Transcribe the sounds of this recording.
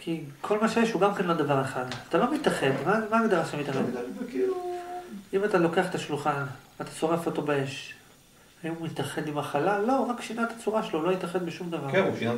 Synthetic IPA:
kʰikʰo̞lmaʃjeʃhuɡamkenlo̞d̪avaʁeχadat̪alo̞mit̪aχe̞d̪mamaɡd̪aʁaʃt̪amit̪aχedk | imat̪alo̞ke̞aχet̪aʃluχa | at̪ḁso̞ʁefo̞t̪o̞baeʃ | aimumit̪aχe̞d̪imaχalalo̞ʁakʃinat̪ḁt͡suʁaʃelolo̞jit̪aχed̪beʃumd̪avaʁuʃina

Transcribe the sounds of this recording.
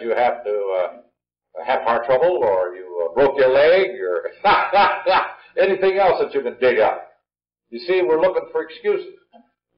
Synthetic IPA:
t͡ʃɨhæftɨʌ | hɨv̥hɑɹtʰɹ̥ʌbl̩ˠə˞jɨbɹoʊkjə˞lɛɡəə˞ | ɛniθɪ̃ŋɛlˠsðɨt͡ʃɨkɨ̃ndɪɾʌ̰p̚ | jɨsiwɪɹlʊkɪ̃ŋfə˞ɨkskjʉsɪz̥

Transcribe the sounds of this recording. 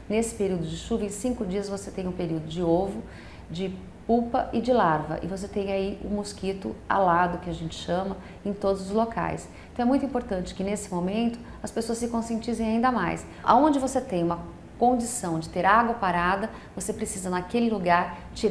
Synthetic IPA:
nesɪ̥peɾiwd̪ʊd͡ʒɪʃuvɐẽsĩkʊd͡ʒiɐzvoset̪ẽj̃ũpeɾiwd̪ʊd͡ʒɪovʊ | d͡ʒɪ | pupɐʔɪd͡ʒɪlaɾvɐ̰ʔɪ̰vos̬et̪ẽj̃aiʊ̰moskit̪ʊa̰lad̪ʊkɪaʒẽnt͡ʃɪ̥ʃɐ̃mɐ | ẽj̃t̪od̪ʊzʊzloka̰js | t̪ɐ̃ɛmũjt̪ĩpoɾt̪ɐ̃nt͡ʃɪ̥kɪnesɪ̥momẽnt̪ʊ̥ | ɐspesoɐsɪkõsiẽnt͡ʃizẽj̃aĩd̪ɐma̰js | a̰õnd͡ʒɪvoset̪ẽj̃ũmɐ | kõd͡ʒisɐ̃w̃d͡ʒɪt̪eɾaɡwɐpaɾad̪ɐ | vosepɾesizɐnakelɪluɡaɾt͡ʃiɾ

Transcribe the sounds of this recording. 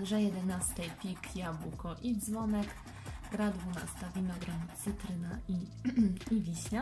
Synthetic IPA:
ʐɛjɛd̪ɛnast̪ɛjpʲikjabukɔʔid̪zvɔnɛk | ɡɾad̪vuna̰st̪avʲinɔɡɾamt̪sɘt̪ɾɘnai | ivʲiɕɲa

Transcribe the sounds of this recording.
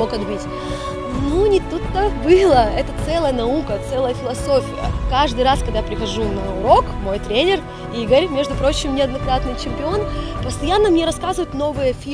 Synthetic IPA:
okɐd̪bitʲ | nunʲɪt̪ut̪ːəbɨlˠəɛt̪ət̪sɛlˠəjənɐukət̪sɛlˠəjəfʲɪlˠɐso̞fʲɪjə̰kaʐd̪ɨjraskɐɡ̚d̪ajapɾʲɪxɐʐunɐʊɾo̞kmo̞jt̪ɾʲenʲɪr | iɡəɾʲmʲe̞ʐd̪ʊpɾo̞t͡ɕɪmnʲɪɐd̪nɐkɾat̪nɨjt͡ɕɪmʲpʲɪo̞npəst̪ɐjanːəmnʲeɾɐskazvəjɪt̪no̞vɨjəfʲi

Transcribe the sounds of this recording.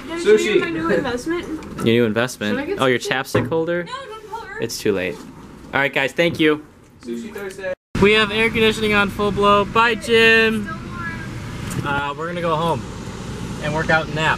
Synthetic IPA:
suinʉɨ̃ɱvɛsmɨ̃ntjənʉɨ̃ɱvɛsmɨ̃nʔo̰jə˞t͡ʃʰæpstɪkhoʊlˠdə˞ | ʔɨ̰tstʰʉlḛɪt̚ɑ̰lˠɹaɪt̚ɡ̥aɪz̥θæ̃ŋkjʉ | wiɨvɛɹkɨ̃ndɪʃɨnɪ̃ŋə̃nfʊlˠbloʊbaɪd͡ʒɪ̃m | ʌwɪɹɡʌ̃nɨɡoʊɦõʊ̃m | ɨ̃nwɜ˞kaʊɾn̩æt̚

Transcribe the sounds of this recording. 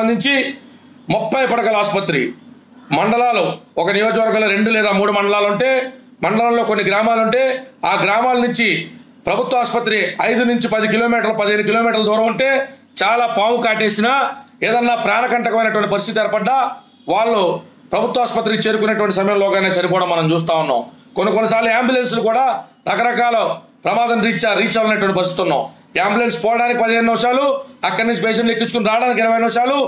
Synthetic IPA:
ɐnd̪iɲt͡ʃi | mupːɐjpɐɽɐkɐlaːspɐt̪ɾḭ | mɐɳɖɐlaːluɔkɐnijoːd͡ʒɐʋɐɾɡaːmloːɾe̞ɳɖulɛːd̪aːmuːɽumɐɳɖɐlaːluɳʈe̞ː | mɐɳɖɐlaːmloːkonːiɡɾaːmaːluɳʈe̞ːaːɡɾaːmaːlɐnuɲt͡ʃi | pɾɐbʱut̪ʋɐaːspɐt̪ːɾiɐjd̪unuɲt͡ʃipɐd̪ikilo̞ːmiːʈɐɾlupɐd̪ɐeːnukilo̞ːmiːʈɐɾlɐd̪uːɾɐ̃muɳʈe̞ː | t͡ʃaːlaːpaːmukaːʈe̞ːsinaː | eːd̪ɐnːaːpɾaːnɐkɐɳʈɐkɐmɐjnɐʈuʋɐɳʈipɐɾist̪it̪ɛɾɐpɐɖːaː | ʋaːɭːu | pɾɐbʱut̪ʋɐaːspɐt̪ːɾit͡ʃe̞ːɾukunːɐʈ̬uʋɐɳʈisɐmɐjɐmlɔːɡaːneːt͡ʃɐnipɔːɽɐmːɐnɐmt͡ʃuːst̪aːunːa̰ːm | konːikonːɐsaːɾluaːmbjulens̬lukuːɽaːɾɐkɐɾɐkaːlɐpɾɐmaːd̪ɐmɾiːt͡ʃːaːɾiːt͡ʃːɐːlɐnɐʈ̬uʋɐɳʈipɐɾist̪it̪unːa̰ːm | aːmbjulenspɔːlɐɽaːnikipɐd̪iɦeːnunimɐʂaːluɐkːɐɽnuɲt͡ʃibɛːʂɐnlekːit͡ʃːukuniɾaːɽaːnik̬iɾɐʋɐjnimɐʂaːlu

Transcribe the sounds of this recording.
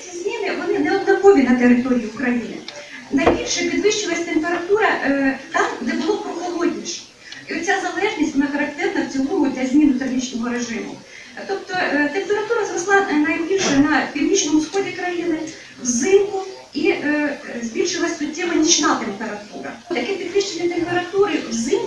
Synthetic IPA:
t͡sʲizʲmʲinɪʋɔnɪnɛɔd̪nɔkoʋʲinɐt̪eɾɪt̪oɾʲijiʊkɾɐjinɪ̰ | nɐjbʲilʲʃɛpʲid̪ʋɪʃt͡ʃɪlˠɐsʲt̪empeɾɐt̪uɾɐt̪amɦd̪ɛbʊlˠɔpɾɔxɔlˠoɔd̚ʲnʲiʃɛ̥ | iɔt̪ʲsʲazɐlˠɛʐnʲisʲtʲʋɔnaxɐɾɐkt̪ɛrnɐw̪t͡sʲiluɦʊd̪ʲlʲɐzʲmʲinʊt̪ɐrɦʲit͡ʃnɔɦɔɾeʐɪmʊ̰ | t̪ɔpt̪ɔt̪empeɾɐt̪uɾɐzrɔslˠɑnɐjbʲilʲʃɛnɐpʲiwnʲit͡ʃnɔmʊsxɔdʲikɾɐjinɪ | wzɪmkʊ | iʔzʲbʲilʲʃɪlˠɐsʲsʊtʲːɛmɐnʲit͡ʃnat̪empeɾɐt̪ṵɾɐ̰t̪ɐkɛpʲid̪ʋɪʃt͡ʃenʲɛt̪empeɾɐt̪uɾɪwzɪm

